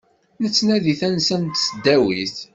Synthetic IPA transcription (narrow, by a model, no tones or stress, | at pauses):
nət͡sːnæðiθænsænt̪səd̪ːæwiθ